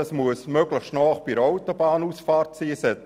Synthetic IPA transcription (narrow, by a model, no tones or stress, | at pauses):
ɑsmuəsmøɡləχʃtnɔːχb̥iəɾaʊt̪ob̥ɑːnuːsfɑːrtsiːsɛ